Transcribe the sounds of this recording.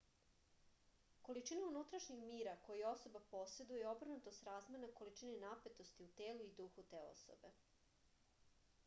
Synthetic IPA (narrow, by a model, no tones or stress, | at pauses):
ko̞lit͡ʃinaunut̪ɾaʃɲixmiːɾakojio̞so̞bapo̞se̞d̪ujeo̞br̩nut̪ost̪ɾaːzmenakolit͡ʃinenape̞t̪o̞st̪iut̪eːluid̪uxut̪e̞ːo̰so̰be̞